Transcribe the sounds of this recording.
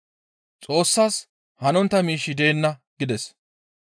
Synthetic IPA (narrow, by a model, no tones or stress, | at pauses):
t͡sʼo̞ːsːaːs | hɐnɔnt̪ːɐmiːʃːɪd̪e̞ːnːɐɡɪd̪ɛs